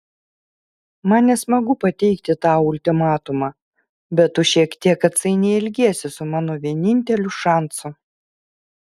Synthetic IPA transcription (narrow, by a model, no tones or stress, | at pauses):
mɐnnʲɛsmɐɡʊpɐt̪ʲɛɪkt̪ʲɪt̪ɑːʊlʲt̪ʲɪmɑːt̪ʊmɑː | bʲɛt̪ːʊʃʲiɛkt̪ʲiɛkɐt̪sɐɪnʲɛɪlʲɡʲeɛsʲɪsʊmɑːnoʋʲiɛnʲɪnʲt̪ʲɛlʲʊʃɑˑnsʊ